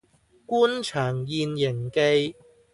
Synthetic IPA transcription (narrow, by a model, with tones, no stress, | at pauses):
kuː˥nt͡ʃʰœː˨˩ŋjiː˧njɪ˨˩ŋke˧j